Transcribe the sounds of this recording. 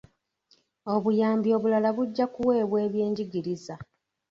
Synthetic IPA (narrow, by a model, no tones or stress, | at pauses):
o̞βujaːmbio̞ːβulalaβuɟːakuwe̞ːβwe̞ːβje̞ːɲɟiɡiɾiza